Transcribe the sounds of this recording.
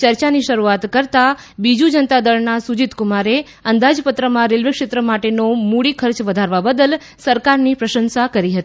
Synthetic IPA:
t͡ʃəɾt͡ʃaniʃəɾuat̪kəɾt̪a | bid͡ʒud͡ʒənt̪ad̪əɭnasud͡ʒit̪kumaɾe | ənd̪ad͡ʒpət̪ɾəmãɾelʋekʃet̪ɾəmaʈenomuɽikʰəɾt͡ʃʋəd̪ʱaɾʋabəd̪əl | səɾkaɾnipɾəʃənsakəɾiɦət̪ii

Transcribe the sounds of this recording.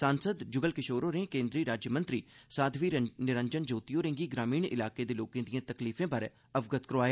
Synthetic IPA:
saːnsəd̪d͡ʒʊɡəlkɪʃoːɾoːɾẽːkẽːnd̪ɾiːɾaːd͡ʒjəmə̃nt̪ɾiːsaːd̪ʱʋiːnɪɾəɲd͡ʒənd͡ʒoːt̪ijoːɾẽŋɡiːɡɾaːmiːɳɪ̰laːkeːd̪eːloːkẽːd̪ijãːt̪əkliːfʰẽːpəɾeː | əʋɡət̪kəɾʋaːjea

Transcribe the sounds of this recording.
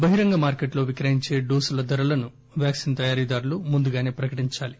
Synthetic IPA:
bɐɦiɾɐŋɡɐmaːɾkeʈlo̞ːʋikɾɐɦiɲt͡ʃe̞ːɖoːsulɐd̪ɐɾɐlɐnu | ʋjaːksint̪ɐjaːɾiːd̪aːɾulumund̪uɡaːne̞ːpɾɐkɐʈiɲt͡ʃaːli

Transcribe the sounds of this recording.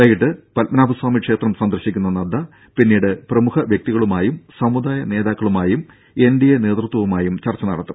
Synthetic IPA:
aːjiʈːɨpɐlmɐnaːbʱɐswaːmikʂe̞ːt̪rɐmsɐnd̪ɐrɕikʲːunːɐnɐd̪ːɐ | pinːiːɽɨprɐmuhɐʋjek̚t̪iɣɐɭumaːjumsɐmud̪aːjɐne̞ːðaːkːɐɭumaːjum | e̞nɖijene̞ːt̪rɨt̪wɐʋumaːjumt͡ɕɐrt͡ɕːɐnɐ̰ɽɐt̪ːu̥

